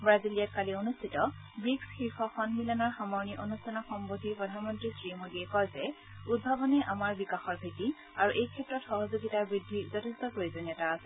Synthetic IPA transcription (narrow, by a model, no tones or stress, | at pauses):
bɹazilijat̚kalionustʰitɔ | bɹiksxiɹpʰɔxɔnmilanɔɹxamɔɹniʔonustʰanɔxɔmbodʱipɹɔdʱanmɔntɹisɹimodiɛkɔjzɛ | ud̚bʱabɔnɛʔamaɹbikaxɔɹbʱeti | aɹuʔejkʰɛtɹɔtxɔɦɔzuɡitaɹbɹidʱːizɔtʰɛstɔpɹoizɔnjɔtaːsɛ